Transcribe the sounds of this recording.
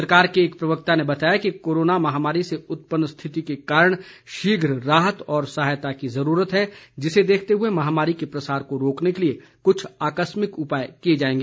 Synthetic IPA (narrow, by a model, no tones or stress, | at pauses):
səɾkaːɾkeːk̚pɾɐʋək̚t̪anebɐt̪aːjakikoːɾoːnamɐɦaːmaːɾiseʊt̪̚pənːst̪ʰɪt̪ikekaːɾəɽ̃ʃiːɡʱɾɾaːɦət̪ɔːɾsɐɦaːjt̪akizɐɾuːɾət̪ɦɛd͡ʒɪsed̪eːkʰt̪eɦʊemɐɦaːmaːɾikepɾɐsaːɾkoɾoːknekelie | kʊt͡ʃʰaːkəsmɪkʊpaːjkied͡ʒaːẽːŋɡeː